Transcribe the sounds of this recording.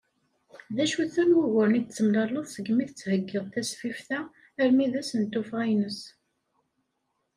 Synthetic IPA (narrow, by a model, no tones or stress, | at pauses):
ðæʃuθæmwuʝəɾnit͡sːəmləɾˤloðˤsəɡmiθət͡sːhəɡːɪðˤt̪æsfifθæ | əɾmiðæsənt̪ːufʁæjnəs